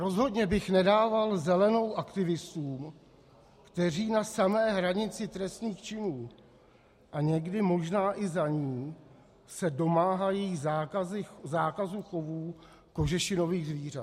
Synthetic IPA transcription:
ɾo̞zɦo̞dɲɛbɪxnɛdaːvalzɛlɛno̞wʔakt̪ɪvɪst̪uːm | kt̪ɛr̝iːnasamɛːɦɾaɲɪt͡sɪt̪ɾɛst̪niːxt͡ʃɪnuː | ʔaɲɛɡdɪmo̞ʒnaːʔɪzaɲiː | sɛdo̞maːɦajiːzaazɪzaːkazuxo̞vuː | ko̞ʒɛʃɪno̞viːɣzviːr̝at̪

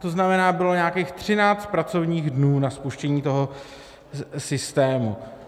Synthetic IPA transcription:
t̪o̞znamɛnaːbɪlo̞ɲaːkiːxt̪r̝̥ɪnaːt͡st̪̚pɾat͡so̞vɲiːɣdnuːnaspuʃcɛɲiːt̪o̞ɦo | sɪst̪ɛːmu

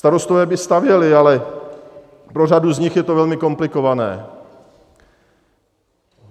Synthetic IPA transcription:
st̪aɾo̞st̪ovɛːbɪst̪avjɛlɪalɛ | pɾoraduzɲɪxjɛt̪ovɛlmɪko̞mplɪko̞vanɛ̰ː

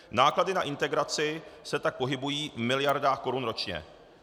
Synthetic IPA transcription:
naːkladɪnaʔɪnt̪ɛɡɾat͡sɪsɛt̪ak̚po̞ɦɪbujiːvmɪlɪjaɾdaːxko̞ɾunɾo̞t͡ʃɲɛ̰

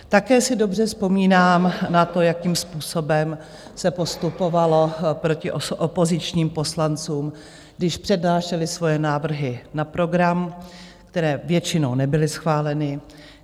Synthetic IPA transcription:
t̪akɛːsɪdo̞br̝ɛfspo̞miːnaːmnat̪o̞jakiːmspuːso̞bɛm | sɛpo̞st̪upo̞valo̞pɾo̞cɪʔoʔopo̞zɪt͡ʃɲiːmpo̞slant͡suːm | ɡdɪʃpr̥ɛdnaːʃɛlɪsvo̞jɛnaːvr̩ɦɪnapɾo̞ɡɾam | kt̪ɛɾɛːvjɛt͡ʃɪnownɛbɪlɪsxvaːlɛnɪ

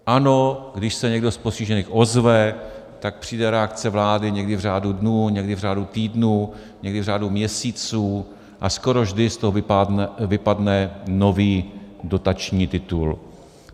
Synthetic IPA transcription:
ʔano̞ɡdɪʃsɛɲɛɡdosposciʒɛniːxʔo̞zvɛ | t̪ak̚pr̝̥iːdɛɾɛakt͡sɛvlaːdɪɲɛɡdɪvr̝aːdudnuːɲɛɡdɪvr̝aːdut̪iːdnuː | ɲɛɡdɪvr̝aːdumɲɛsiːt͡suː | ʔasko̞ɾo̞vʒdɪst̪oɦovɪavɪpadnɛno̞viːdo̞t̪at͡ʃɲiːt̪ɪt̪ul

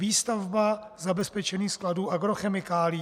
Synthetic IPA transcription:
viːst̪avba | zabɛspɛt͡ʃɛniːxskladuːʔaɡɾoxɛmɪkaːlɪ

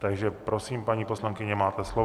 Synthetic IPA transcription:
t̪aɡʒɛpɾosiːmpaɲiːposlaŋkɪɲɛmaːt̪ɛslo

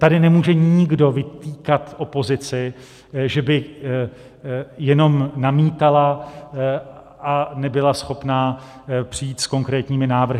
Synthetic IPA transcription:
t̪adɪnɛmuːʒɛɲɪɡdo̞vɪt̪iːkat̪ʔo̞po̞zɪt͡sɪ | ʒɛbɪ | jɛno̞mnamiːt̪ala | ʔanɛbɪlasxo̞pnaː | pr̝̥ijiːt̪sko̞ŋkɾɛːt̪ɲiːmɪnaːvr̩ɦɪ

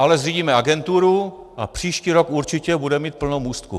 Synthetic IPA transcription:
ʔalɛzriːɟiːmɛaɡɛnt̪uɾu | ʔapr̝̥iːʃciːɾokuɾt͡ʃɪcɛbudɛmiːt̪̚pl̩nowmuːst̪kṵ

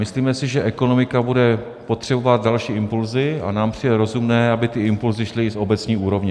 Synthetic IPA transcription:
mɪsliːmɛsɪʒɛʔɛko̞no̞mɪkabudɛ | po̞t̪r̥ɛbo̞vat̪̚dalʃiːʔɪmpulzɪa̰naːmpr̝̥ɪjdɛɾo̞zumnɛːabɪt̪ɪɪmpulzɪʃlɪso̞bɛt͡sɲiːʔuːɾo̞vɲɛ

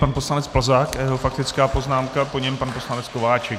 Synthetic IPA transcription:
panpo̞slanɛt͡spl̩zaːkʔajɛɦo̞fak̚t̪ɪt͡skaːpo̞znaːmkapoɲɛmpanposlanɛt͡sko̞vaːt͡ʃɛk

